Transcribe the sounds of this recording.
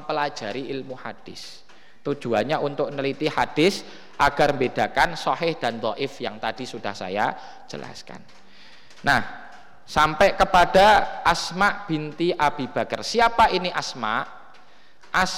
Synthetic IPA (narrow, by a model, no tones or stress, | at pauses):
pəlḁd͡ʒ̥a̤ɾiilmuhad̥ɪs | t̪u̥ʒ̥ṳaɲaʔunt̪ʊk̚nəlit̪ihad̥ɪs | ʔaɡ̥armbed̥a̤kansɔɦɪhd̥ant̪ɔʔɪfjaŋt̪ad̥isud̥ahsa̰ja̰ | d͡ʒ̥əlʔa̰ska̰n | nah | sampɛʔkəpad̥aasmaʔb̥int̪iʔab̥i̤b̥a̤kərsiapainiʔasmaʔ | ʔas